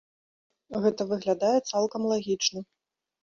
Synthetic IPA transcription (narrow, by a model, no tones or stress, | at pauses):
ɣɛt̪ɐvɨɣlʲad̪ajɛt̪salˠkɐmlˠaɣʲit͡ʂnɐ